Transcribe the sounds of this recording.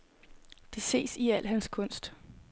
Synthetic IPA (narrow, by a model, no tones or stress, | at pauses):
d̥e̝se̝̰ːsiæl̰ɦænskʰɔ̽n̰sd̥